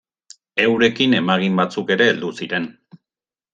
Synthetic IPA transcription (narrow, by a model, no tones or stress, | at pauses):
e̞wɾe̞kine̞maɣ̞imbat͡suke̞ɾe̞ːld̪usiɾe̞n